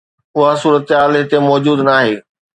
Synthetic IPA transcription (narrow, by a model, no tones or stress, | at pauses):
ʊɦasuːɾət̪ɦaːlɦɪt̪emɔːd͡ʑuːd̪naːɦeː